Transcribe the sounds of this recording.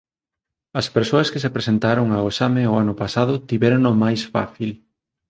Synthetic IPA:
ɐspeɾsoɐskesepɾesent̪aɾoŋaoesameʊanʊpasaðʊt̪iβɛɾonomajsfa̰θil

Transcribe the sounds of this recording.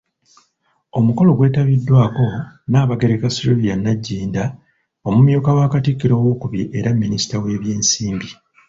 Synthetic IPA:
o̞muko̞lo̞ɡwe̞ːtaβidːwaːko̞naːβaɡe̞ɾekasuluvijanːaɟːiːnda | o̞mumjuːkawaːkatikːiɾo̞ːwo̞ːkuβiʔeɾamːinisi̥tawe̞ːβje̞ːnsiːmbi

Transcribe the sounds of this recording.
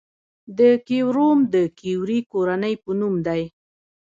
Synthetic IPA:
d̪əkewɾomd̪əkiwɾikoɾanəjpənumd̪aj

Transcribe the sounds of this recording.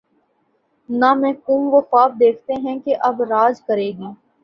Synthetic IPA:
namɛ̃ːkũːmʋoxaːb̚d̪eːkʰt̪eɦɛ̃keʔɐbɾaːd͡ʒkɐɾeːɡiː

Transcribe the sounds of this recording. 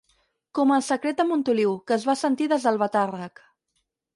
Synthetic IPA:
kɔməlˠsəkɾet̪̚əmunt̪uliwkəːzβasənt̪iðəzðəlˠβət̪arək

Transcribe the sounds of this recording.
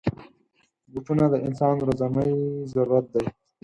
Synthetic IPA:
ɡuʈʰunad̪əʔɪnsɑːnɾazaməjzaɾuɾat̪̚d̪aj

